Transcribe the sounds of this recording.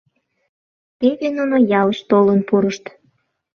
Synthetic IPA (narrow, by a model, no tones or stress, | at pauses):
peβenonojɑləʃt̪olənpuɾəʃt̪